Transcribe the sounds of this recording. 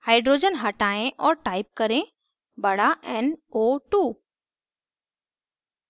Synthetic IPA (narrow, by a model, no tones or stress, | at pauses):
haːɪɖɾoːd͡ʒənɦɐʈaːẽʔɔːɾʈaːɪp̚kɐɾẽ | bɐɽaʔɛnoːʈuː